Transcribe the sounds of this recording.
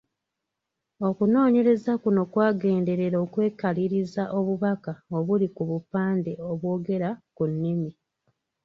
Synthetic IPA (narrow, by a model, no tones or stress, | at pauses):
o̞kuno̞ːɲe̞ɾe̞zakuno̞kwaːɡe̞ːnde̞ɾe̞ɾoːkwe̞ːkaliɾizaʔo̞βuβakao̞βulikuβupaːnde̞o̞βwo̞ːɡe̞ɾakunːimi